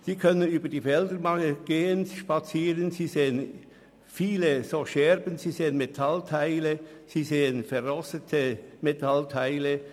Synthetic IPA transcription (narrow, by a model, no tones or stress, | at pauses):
siːkʰœnənyːbəd̥iːfɛldəɾmɑŋəɡ̥eːənsiʃpɑt͡siːʁənziːzeːən | fiːləzoːʃɛʁbənziːzeːənmetʰɑltʰaɪləz̥iːzeːənfɛʁʁɔstətʰəmetʰɑltʰaɪlə